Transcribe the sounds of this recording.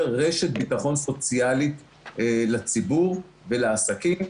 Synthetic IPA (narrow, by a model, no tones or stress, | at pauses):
ʁeʃet̪̚bit̪aχo̞nso̞t͡sjalit̪ | lat͡sibuʁ | velaasakim